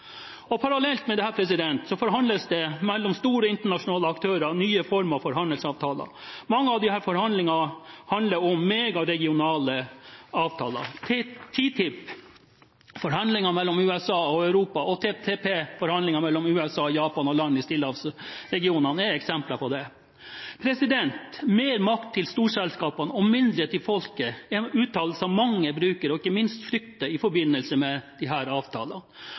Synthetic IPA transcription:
ɔpʰɑɾɑlɛlt̪mɛd̪ɛhæːɾpʰɾɛs̬ɪd̪ɛnt̪sɔfɔɾɦɑnd̪əsd̪ɛmɛlːɔmst̪uːɾɔɪnt̪əɳɑʂʊnɑːləɑkt̪ʰøːɾɑnyːəfɔɾmɑfɔɾɦɑnd̪əlsɑːʋt̪ʰɑːlɑ̰ | mɑŋːəɑʋd̪ɪhæːɾfɔɾhɑnd̪lɪŋɑhɑnd̪ləɾɔmːeːɡɑɾɛɡɪʊnɑːləɑːʋt̪ʰɑːlɑ̰t̪ʰt̪ʰiːt̪ʰɪpː | fɔɾhɑnlɪŋɑmɛlːɔmʉːɛsɑːɔœʉɾuːpɑɔt̪ʰeːt̪ʰeːpeːfɔɾhɑnlɪŋɑmɛlːɔmʉːɛsɑːjɑːpɑnɔlɑnːɪst̪ɪlːəɑʋsɾɛɡɪuːnɑnɛɾɛksɛmplɑpʰɔd̪ɛ | pʰɾɛsɪd̪ɛnt̪meːɾmɑkt̪ʰːɪlst̪uːʂɛlskɑːpɑnɔmmɪnd̪ɾət̪ɪfɔlkəɛʉːt̪ʰɑːlsɑmmɑŋːəbɾʉːkəɾɔɪkːəmɪnst̪fɾʏkt̪əɪfɔɾbɪnːəlsəmɛd̪̥ɪɦæːɾɑːʋt̪ʰɑ̰ːlɑn

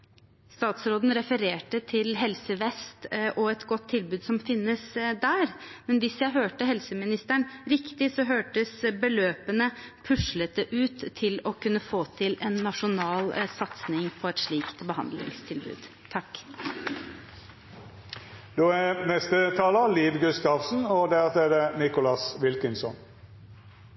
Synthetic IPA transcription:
st̪ɑːt̪sɾoːd̪n̩ɾɛfəɾeːʈət̪ʰɪlɦɛlsəʋɛst̪ʔɔɛt̪ɡɔt̪ʰːɪlbʉːd̪sɔmfɪnːəsd̪æːɾmɛnʋɪsjæɪɦøːʈəɦɛlsəmɪnɪst̪æɳɾɪkt̪ɪsɔɦøːʈəsbəløːpənəpʰʉʂlət̪əʔʉːt̪ʰːɪlɔkʉnːəfoːt̪ʰɪlɛnːɑʂʊnɑːlsɑt̪snɪŋpʰɔɛt̪ʂɭiːkt̪bəhɑ̰nd̪lɪ̰ŋst̪ʰɪlbʉ̰ːd̪̥ | t̪ʰɑkː | d̪̥oːænɛst̪ət̪ʰɑːləliːʋɡʉst̪ɑʋsn̩ɔd̪ɛɑt̪eːɾənɪkʊlɑsʋɪlkənsɔ̰n

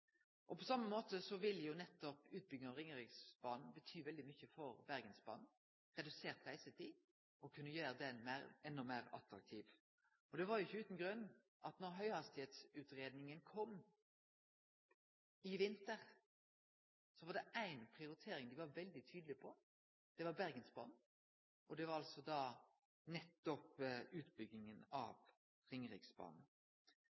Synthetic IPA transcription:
ʔɔpʰɔsɑmːəmoːt̪əsɔʋɪlːjʊnɛt̪ːɔpʉːt̪̚bʏɡɔɾɪŋəɾɪɡsb̥ɑːnn̩bət̪ʰyːʋɛld̪ɪmʏçəfɔɾbæɾɡənsbɑ̰ːn̩ | ʁɛd̪ʉseːʁt̪ʁæɪsət̪ʰi | ɔkʰʉnːəjøːɾəd̪ɛnmæːɾɛnːɔmæːɾɑ̰t̪ɾɑ̰k̚t̪ʰiːʋ | ɔd̪ɛʋɑɾjʊɪçːəʉːt̪n̩ɡʁʉnː | ʔɑt̪nɔɾɦœʏhɑst̪ɪheːt̪sʉːt̪ɾeːd̪nɪŋənkʰɔm | ɪʋɪnt̪əʁ | sɔʋɑɾd̪ɛʔæɪnpʰʁɪʊɾɪt̪ʰeːɾɪŋd̪ɪʋɑɾʋɛld̪ɪt̪ʰyːd̪əlɪpʰɔ | d̪̥ɛʋɑɾbæʁɡənsbɑ̰ːn | ʔɔd̪ɛʋɑɾɑlsɔd̪ɑː | nɛt̪ːɔpʉːt̪bʏɡ̪ɪŋənɑ̰ʋ | ʁɪŋʁɪksbɑ̰ːn

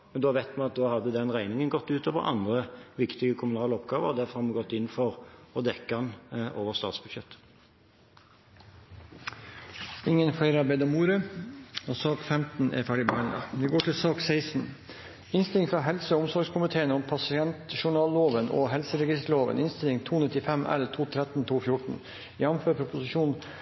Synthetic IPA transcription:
mɛnd̪oːʋæɪt̪mɑnɑt̪̚d̪oːhɑd̪ːəd̪ɛnʁæɪnɪŋənɡɔt̪ːʉːt̪oːʋə̰ʁʔɑ̰nd̪ʁəʋɪkt̪ɪɡəkʰʊmʉnɑːləɔpɡɑːʋəʁd̪æɾfɔhɑɾmɑɡɔt̪ːɪnːfɔʁɔd̪ɛkːɑnʔoːʋəʁst̪ɑːt̪sb̥ʉd̪ɕjɛt̪ː | ɪŋːənfæɪɾɑbeɪd̪ɑmuːɾə | osɑːkfɛmt̪n̩ʔɛ̰ɾfæːɖɪbæɳə̰ʋɪɡoːʈʰɪlsɑːksæɪsn̩ | ɪnst̪ɪlɪŋfɾɑɦɛlsəʊmsɔɾɡskʰʊmɪt̪ʰeːənəɔmpʰɑsɪɛnt̪ʃʊɳɑːlːoːʋənʔo̰ːɦɛlsəɾɛɡɪst̪ɭoːʋə̰nɪnst̪ɪlɪŋt̪ʰuːnɪt̪ɪfɛmʔæ̰lt̪ʰuːt̪ʰɾɛt̪n̩t̪ʰuːfjʊʈɳ̩ | jɑmføːɾpʰɾʊpʊsɪʃuːn

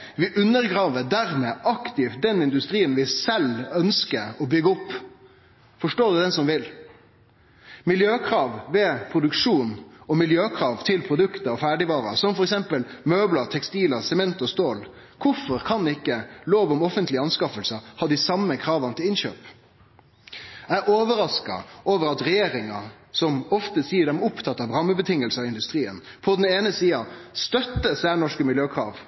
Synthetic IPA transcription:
ʋɪʔʉnːəɾɡɾɑːʋəd̪æɾmeːʔɑkt̪ɪft̪̚d̪ɛnɪnd̪ʉst̪ʁiːənʋɪsɛlœnskəɾɔbʏɡəɔpː | fɔʂʈoːɾd̪ʉd̪ɛnsɔmʋɪl | mɪljøːkʰɾɑːʋʋɛpʰɾʊd̪ʉkʂuːnɔmɪljøːkʰɾɑːʋt̪ʰɪlpʰɾʊd̪ʉkt̪əɔfæːɖɪʋɑːɾɑ̰sɔmfɔɾɛksɛmpəlmøːbləɾt̪ʰɛkst̪iːləsɛmɛnt̪ɔst̪oːl | kʰʊɾfɔɾkʰɑnɪkːəloːʋɔmɔfənt̪lɪɑnskɑfəlsəhɑːd̪ɪsɑmːəkʰɾɑːʋɑnət̪ɪlɪnɕø̰ːp | æɪʔoːʋəɾɑskɑ̰oːʋəɾɑt̪ɾɛjeːɾɪŋɑ | sɔmɔft̪əsiːəɖɛmʊpt̪ʰɑt̪ːɑʋɾɑmːəbət̪ʰɪŋːəlsəɑɪnd̪ʉst̪ɾiːən | pʰɔd̪ɛneːnəsiːɑst̪œt̪ːəsæːɳɔʂkəmɪljøːkʰɾɑ̰ːʋ

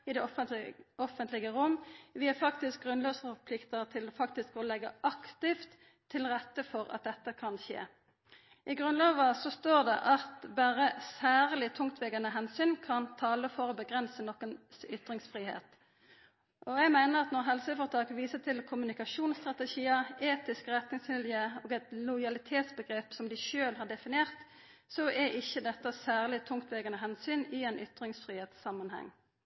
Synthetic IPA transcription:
ɪd̪ɛ | ɔfənt̪lɪɡəʁʊmːʋɪæʁfɑkt̪ɪsk̚ɡʁʉnløːsfɔʁpʰlɪkt̪əʁt̪ʰɪlɔfɑk̚t̪ɪskɔlɛɡəʔɑkt̪ɪft̪ʰː | ɪlʁɛt̪ːəfɔʁɑ̰t̪̚d̪ɛt̪ːəkʰɑnçḛː | ʔɪɡʁʉnlɑːʋɑsɔst̪oːʁd̪ɛ̰ʔɑt̪bæːʁəsæːʁlɪt̪ʰʊŋt̪ʰʋɛɡənəɦɛnsyːnkʰɑnt̪ʰɑːləfɔʁɔbəɡʁɛnsənɔkːənsʏt̪ɾɪŋsfʁiːhḛːt̪ | ʔɔɛɡmæɪnəʁɑt̪nɔʁɦɛlsəfɔʁt̪ʰɑːkʋiːsət̪ʰɪlkʰʊmʉnɪkɑʃuːnst̪ʁɑt̪ɛçiːəeːt̪ɪskəʁɛt̪nɪŋsʋɪljəoːɡɛt̪lɔɪɑlɪt̪ʰeːt̪sbəɡʁeːpsɔmd̪ɪʃøːlhɑʁɖ̪ɛfɪnɪeːʁt̪ | sɔʔɛɪçːəd̪ɛt̪ːəsæːʁlɪt̪ʰʊŋt̪ʋɛɡənəɦɛnsyːnɪɛnʔʏt̪ɾɪŋsfʁiːheːt̪sːɑmɑnhɛ̰ŋː

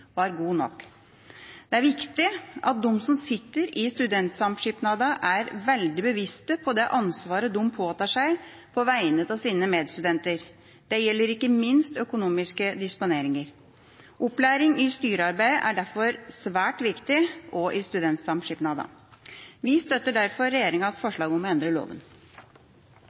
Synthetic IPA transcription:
ʋɑɾɡuːnɔ̰kː | d̪̥ɛæɾʋɪkt̪ɪʔɑt̪̚d̪ɔmːsɔmsɪt̪ːəɾɪst̪ʉd̪ɛnt̪sɑmʂipnɑːd̪ɑʔæɾʋɛld̪ɪbəʋɪst̪əpʰɔd̪ɛʔɑnsʋɑːɾəd̪ʊmpʰoːt̪ɑːʂæɪ | pʰɔʋæɪnət̪ɑʋsiːnəmeːd̪st̪ʉd̪ɛnt̪əɾ | d̪̥ɛjɛlːəɾɪkːəmɪnst̪œkʊnuːmɪskəd̪ɪspʊneːɾɪŋəɾ | ʔʊplæːɾɪŋɪst̪yːɾəɑɾbæɪəʔæɖæɾfɔɾsʋæːʈʋɪkt̪ɪɔʔɪst̪ʉd̪ɛnt̪sɑmʂɪpnɑːd̪ɑ̰ | ʋɪst̪œt̪ːəɖæɾfɔɾːɛjeːɾɪŋɑsfɔʂɭɑːɡɔmɛnd̪ɾəlo̰ːʋə̰n

